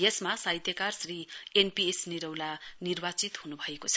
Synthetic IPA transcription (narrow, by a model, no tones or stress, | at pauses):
jesmasaɦjt̪jʌkarsrienpiesniɾʌwlanirbat͡sit̪hunubʱʌekot͡sʰʌ̥